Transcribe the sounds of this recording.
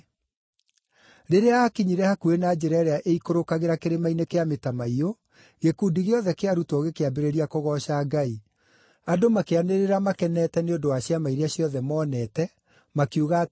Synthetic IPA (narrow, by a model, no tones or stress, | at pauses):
ɾeɾeahakiɲiɾɛhakuenad͡ʒɛɾɛɾeaʔeikoɾokaɣeɾakeɾemainekeametamaio | ɣekuːndiɣeɔðɛkeaɾutɔɣekeabeɾeɾiakoɣɔɕaːɡai | adomakeaneɾeɾamakɛnɛtɛneondowaɕjamaiɾeaɕjɔðɛmɔːnɛtɛ | makuɣa